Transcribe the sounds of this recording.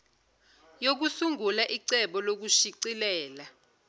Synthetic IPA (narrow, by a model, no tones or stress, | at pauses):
jok̬usuŋɡulaʔiǀɛɓɔlok̬uʃiǀilɛːla